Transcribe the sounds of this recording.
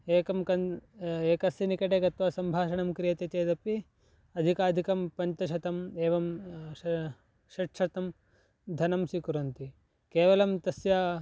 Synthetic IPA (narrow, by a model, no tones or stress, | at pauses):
eːkɐmkɐneːkɐsjɐnikɐʈeɡɐt̪ʋasɐmbʱaːʃɐɳɐmkɾijɐt̪et͡ʃeːd̪ɐpi | ɐd̪ʱikaːd̪ʱikɐmpɐɲt͡ʃɐʃɐt̪ɐmeːʋɐm | ʃɐʈʂɐt̪ɐm | d̪ʱɐnɐmsikuɾɐnt̪i | keːʋɐlɐmt̪ɐsjɐ